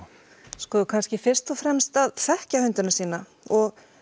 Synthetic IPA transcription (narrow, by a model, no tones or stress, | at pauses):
skɔːkʰanscɪfɪɾ̥st̪ɔfɾɛmst̪aðfɛhcahʏnt̪ʏnasiːna | ɔɣ